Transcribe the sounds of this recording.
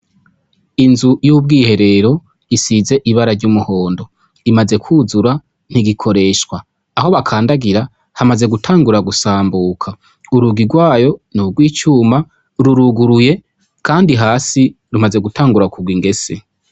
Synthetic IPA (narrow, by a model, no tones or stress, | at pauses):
inzujuːb̚ɡiːhe̞ɾe̞ɾo̞ | isize̞ʔiβaɾaɾɟuːmuho̞ːndo̞ | imaze̞kʰuːzuɾa | n̥iɡikʰo̞ɾe̞ːʃwaː | ho̞βakʰaːndaɡiɾa | hamaze̞ɡutʰaːŋɡuɾaɡusaːmbuːkʰa | uɾuɡiɡwaːjo̞nuɡwiːt͡ʃuːma | ɾuɾuɡuɾuje̞ | kʰaːndiɦaːsi | ɾumaze̞ɡutʰaːŋɡuɾakuɡwiŋɡe̞se